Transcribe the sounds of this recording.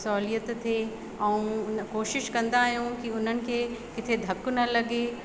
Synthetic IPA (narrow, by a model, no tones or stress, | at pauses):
sɔːlijət̪t̪ʰe | ɛ̃ũnkoːʃɪʃkɐ̃nd̪aːɦijũkiʊn̤ənɪ̆kʰeːkɪt̪ʰed̪ʱɐkʊnɐlɐɡe